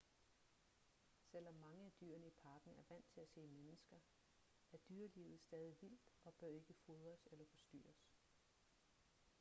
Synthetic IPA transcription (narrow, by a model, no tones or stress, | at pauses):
sel̰ɒ̽mːɑ̈ŋəæd̥y̰ːɐnəipʰɑ̈ːɡ̥n̩æɐʋæn̰t͡sʰe̝læse̝̰ːmenəsɡ̥ɐ | æɐd̥yɐliʊð̩ˠsd̥ɛːð̞ˠiʋil̰d̥ɒ̽b̥ɶɐe̝ɡ̥əfoðˠʁɐselɐfɒ̽sd̥y̰ːɐs